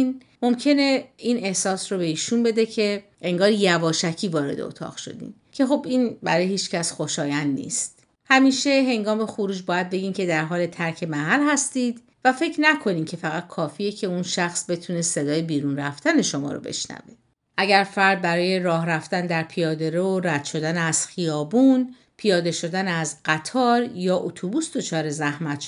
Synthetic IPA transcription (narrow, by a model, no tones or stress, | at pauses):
n | mo̞mcʰe̞ne̞iːne̞hsɒːsrobe̞iːʃunbe̞d̪ecʰe̞ | ʔe̞ŋɡɒːɾjævɒːʃæcʰiːvɒːɾe̞d̪ḛo̰t̪ʰɒ̰ːɣ̥ʃo̞̰d̪ḭːn | cʰe̞xo̞biːnbæ̰ɾɒːjehiːt͡ʃcæsxo̞ʃɒːjænd̪nḭːst̪ | hæmiːʃe̞ɦe̞ŋɡɒːme̞xoɾuːd͡ʒbɒːjæd̪̚be̞ɡiːmcʰe̞d̪æɾɦɒːle̞t̪ʰæɾcʰe̞mæɦælhæst̪iːd̪ | væfe̞cʰɾnækʰo̞niːmcʰe̞fæɣæt̪̚kʰɒːfiːjecʰe̞unʃæxsbe̞t̪ʰuːnese̞d̪ɒːjebiːɾunræft̪æne̞ʃo̞mɒ̰ːɾo̰bḛʃnæ̰ve | ʔæɟæɾfæɾd̪̚bæɾɒːje̞ɾɒːhɾæft̪ænd̪æɾpʰijɒːd̪eɾeoɾæd̪̥ʃo̞d̪æneæz̥xijɒːbun | pʰijɒːd̪e̞ʃo̞d̪ænæzɢæt̪ʰɒːɾjɒːʔot̪ʰubusd̪o̞t͡ʃʰɒːɾe̞zæhmæt̪ʃ